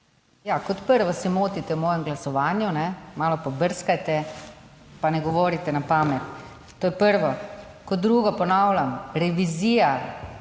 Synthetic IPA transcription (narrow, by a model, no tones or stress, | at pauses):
jaːkɔt̪pəɾʋɔsimoːt̪it̪ɛwmɔːjɛmɡlasɔʋaːnjunɛmaːlɔpɔbəɾskajt̪ɛ | panɛɡɔʋoːɾit̪ɛnapaːmɛt̪ː | oːjɛpəɾʋɔ | kɔd̪ːɾuːɡɔpɔnawlʲamɾɛʋiziːja